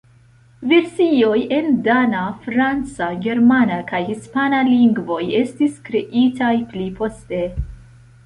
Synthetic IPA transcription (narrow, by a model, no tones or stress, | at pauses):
ve̞ɾsio̞je̞ndanafɾant͡saɡe̞ɾmanakajhispanaliŋɡvo̞je̞stiskɾe̞ʔitajplipʰo̞ste̞